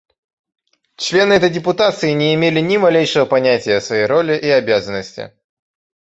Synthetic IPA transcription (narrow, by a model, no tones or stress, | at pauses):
t͡ɕlʲe̞nɨɛt̪əjdʲɪpʊt̪at̪sɨɪnʲɪɪmʲelʲɪnʲɪmɐlʲejʂəvəpɐnʲætʲɪjəsvɐjejɾo̞lʲɪʔiɐbʲazənːəsʲtʲɪ̰